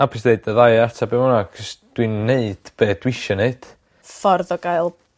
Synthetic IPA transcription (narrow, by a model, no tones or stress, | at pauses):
abʰɪsneɨdəðajartʰabemɔnakʰəsd̥winːeɨd̥b̥eːd̥wɪʃɔneɨd̥ | fɔrðɔɡaɨlˠ